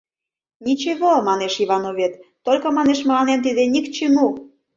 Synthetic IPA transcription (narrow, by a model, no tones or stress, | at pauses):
nit͡ɕeβomɑneʃiβɑnoβet̪ːolʲkɤ̆mɑneʃməlɑnent̪id̪enʲikt͡ɕimu